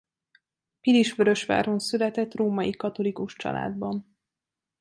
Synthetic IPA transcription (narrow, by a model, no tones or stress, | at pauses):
piliʃføɾø̞ʃʋa̰ːɾonsylɛt̪ɛt̪roːmɒjikɒt̪o̞likuʃt͡ʃɒ̰lʔa̰ːd̪bɒn